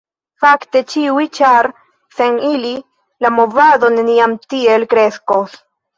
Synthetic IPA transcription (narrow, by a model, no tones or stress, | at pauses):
fakte̞t͡ʃiwit͡ʃaɾ | senili | lamovado̞neniamtielkɾe̞skos